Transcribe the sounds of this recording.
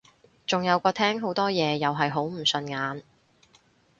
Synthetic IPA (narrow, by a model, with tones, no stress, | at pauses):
t͡sʊ˨ŋjɐ˨˧wkʷɔː˧t̪ʰɛː˥ŋɦo˨˥wt̪ɔː˥jɛː˨˧jɐ˨wɦɐ˨jɦo˨˥wm̩˨˩sɵ˧nŋaː˨˥n